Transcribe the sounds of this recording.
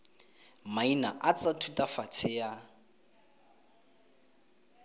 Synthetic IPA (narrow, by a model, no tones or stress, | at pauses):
mainaʔat͡sʼatʰutʼafat͡sʰɪja